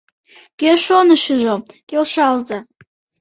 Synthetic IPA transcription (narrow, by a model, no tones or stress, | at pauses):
kʲerʃonɨʃɨʒokʲelʃalza